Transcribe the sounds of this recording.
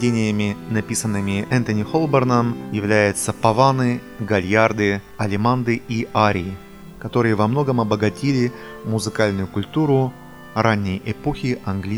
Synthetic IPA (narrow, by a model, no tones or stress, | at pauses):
dʲenʲɪjəmʲɪnɐpʲisənːɨmʲɪɛnt̪ənʲɪxo̞lˠbərnəmjɪvlʲæjʊt̪səpɐvanɨ | ɡɐlʲjard̪ɨ | ɐlʲɪmand̪ɨiaɾʲɪɪ | kɐt̪o̞ɾɨjəvɐmno̞ɡəmɐbəɡɐtʲilʲɪ | mʊzɨkalʲnʊjʊkʊlʲt̪uɾʊ | ranʲːɪjɛpoxʲɪɐnɡlʲi